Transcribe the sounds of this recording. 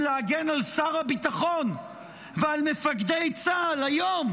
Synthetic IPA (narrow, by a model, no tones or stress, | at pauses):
leaɡenalsaʁabit̪aχo̞n | vealmefakd̪ejt͡saalajom